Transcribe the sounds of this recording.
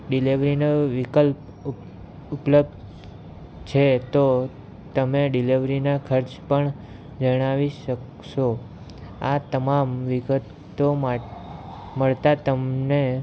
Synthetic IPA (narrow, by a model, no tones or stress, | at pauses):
ɖiliʋɾinoʋikəlp | upləb̚d̪ | t͡ʃʰet̪o | t̪əmeɖiliʋɾinakʰəɾt͡ʃpəɳ | d͡ʒəɽ̃aʋiʃək | ʃo | at̪əmamʋiɡət̪ | oa | məɭt̪at̪əmne